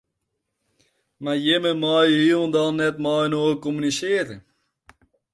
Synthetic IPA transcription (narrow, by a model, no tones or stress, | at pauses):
majɪməmɔjəɦilndɔnːɛtmɔjnoːkomynisɪəɾə